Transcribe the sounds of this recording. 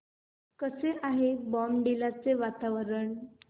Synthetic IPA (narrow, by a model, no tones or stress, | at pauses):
kəseʔaɦebɔmɖilat͡seʋat̪aʋəɾəɳ